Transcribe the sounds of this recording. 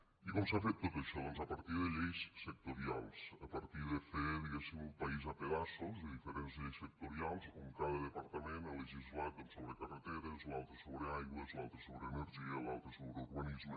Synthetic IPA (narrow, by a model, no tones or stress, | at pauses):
ikɔmsafet̪ːot̪əʃɔðənzapəɾt̪iðəʎejssək̚t̪uɾialˠsəpəɾt̪iðəfeðiɣesimumpəizapeðasozðəðifəɾenzʎejsək̚t̪uɾialˠzuŋkaðəðəpəɾt̪əmenaləʒizlat̪̚ənsoβɾəkərət̪eɾəzlalˠt̪ɾəsoβɾəajɣwəzlalˠt̪ɾəsoβɾəːməɾʒiəlalˠt̪ɾəsoβɾəuɾβənizmə